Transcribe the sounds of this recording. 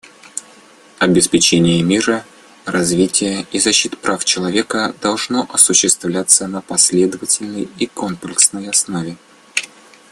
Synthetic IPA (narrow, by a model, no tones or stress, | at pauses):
ɐbʲɪspʲɪt͡ɕenʲɪjəmʲiɾə | rɐzvʲitʲɪjəizɐɕːit̪pɾʔaft͡ɕɪlˠɐvʲe̞kəd̪ɐlˠʐnoʔɐsʊɕːɪst̪vlʲat̪sənəpɐsʲlʲe̞d̪əvətʲɪlʲnəjikonplʲɪksnəjɐsnovʲɪ